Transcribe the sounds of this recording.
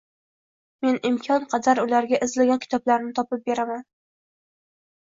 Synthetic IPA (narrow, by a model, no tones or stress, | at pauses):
me̞nɪmkʲʰɒnqʰɑd̪aɾʊlaɾɡʲaʔɪzlaɡʲankʰʲɪ̥t̪ʰɒblaɾnɪt̪ʰɒpɪp̚be̞ɾaman